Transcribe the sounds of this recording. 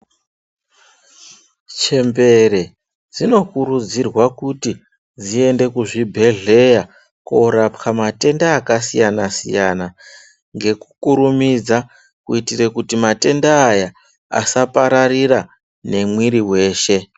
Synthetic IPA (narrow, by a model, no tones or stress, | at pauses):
t͡ʃe̞mbe̞ɾe̞ | d͡zino̞kuɾud͡zirwakuti | d͡zie̞nde̞kuʐibʱe̞ɮe̞ja | ko̞ɾapkamate̞ndaːkasijanasḭjana | ŋɡe̞ku̥kuɾumid͡za | kuitirekutimate̞ndaːja | a̰sapaɾarira | ne̞mwiɾiwe̞ːʃe̞